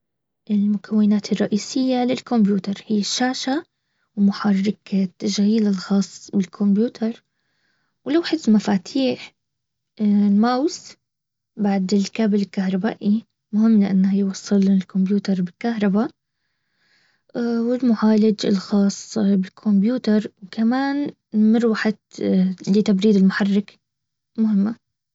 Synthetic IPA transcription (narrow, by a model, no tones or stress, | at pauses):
ʔɪlmʊkʰawːɪnaːt̪ʰɪrˤːɑʔiːsɪjːalɪlkombjuːt̪ɑɾˤhɪjːaʃːaːʃa | wmʊħɑrˤːɪkt̪ːaʒɣiːlalxɑːsˤːbɪlkʰombjuːt̪ʰɑɾˤ | wlawħɪsmafaːt̪ʰiːħ | lmaws | baʕd̪ɪlkaːbɪlɪlkahɾˤɑba̰ːʔi | mʊhɪmːlɪʔa̰nːhajwɑsˤːɨlnɪlkʊmbjuːt̪ɑɾˤbɪlkahɾˤɑba | wɪlmʊʕaːlɪd͡ʒɪ̰lxɑːsˤbɪlkʰʊmbjuːt̪ɑɾˤwkʰamaːn | mɪɾwaħɪd̪lɪt̪abɾiːd̪ɪlmʊħarːɪk | mʊhɪmːa